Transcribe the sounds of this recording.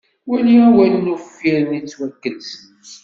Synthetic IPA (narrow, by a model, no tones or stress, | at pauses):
wæliæwælnufiɾnit͡sːwækːəlsənəs